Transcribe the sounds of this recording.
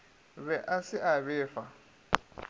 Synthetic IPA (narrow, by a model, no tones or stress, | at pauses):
βɛʔasɪʔaβɛːfa